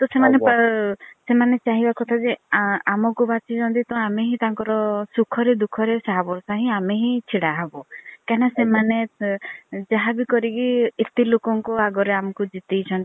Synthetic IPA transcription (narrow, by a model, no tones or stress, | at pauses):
t̪osemanep | semanet͡ʃaɦibakɔt̪ʰad͡ʒeamɔkubat͡ʃit͡ʃʰɔnt̪̬it̪ɔameɦĩt̪aŋkɔɾɔsukʰɔɾed̪ukʰɔɾesaɦabɔɾsaɦĩameɦĩt͡ʃʰiɽaɦabɔkanasemane | d͡ʒaɦabikɔɾikiet̪ilokɔŋkɔaɡɔɾeamɔkud͡ʒit̪ejt͡ʃʰɔnt̪i